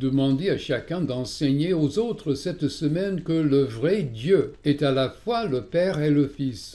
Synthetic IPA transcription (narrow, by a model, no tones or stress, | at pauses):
d̪əmɑ̃d̪eaʃakɛ̃d̪ɑ̃sɛɲeozot̪χəsɛt̪səmɛnkələvʁɛd̪jøɛt̪alafwaləpɛːʁeləfis